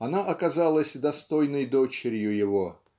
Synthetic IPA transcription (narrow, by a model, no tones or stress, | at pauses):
ɐnaʔɐkɐzalˠəsʲd̪ɐst̪o̞jnəjd̪ot͡ɕɪɾʲjʊjɪvo